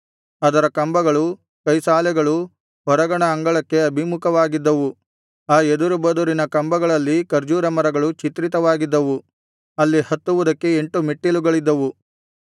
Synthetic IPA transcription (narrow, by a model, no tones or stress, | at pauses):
ɐd̪ɐɾɐkɐmbɐɡɐɭu | kɐjsaːlɛɡɐɭu | ɦɔɾɐɡɐɳɐːŋɡɐɭɐkːeɐbʱimukɐʋaːɡid̪ːɐʋu | aːed̪uɾubɐd̪uɾinɐkɐmbɐɡɐɭɐlːikɐɾd͡ʒuːɾɐmɐɾɐɡɐɭut͡ʃit̪ɾit̪ɐʋaːɡid̪ːɐʋu | ɐlːihɐt̪ːuʋud̪ɐkːe̞eɳʈumiʈːiluɡɐɭid̪ːɐʋu